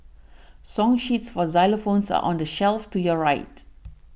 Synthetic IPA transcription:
sɔ̃ŋʃitsfɔzaɪləfõnsa̰ʔɔ̰̃ndəʃɛlftujɔɹaɪt

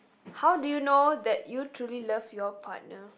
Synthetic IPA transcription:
hawdujunodɛtjutʰɹulilʌvjɔpʰa̰t̚nə

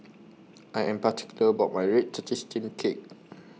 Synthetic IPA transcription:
ʔajʔɛ̃mpati̥kjuləəbaʊt̚majɹɛt̚tətʰistĩnkʰek̚

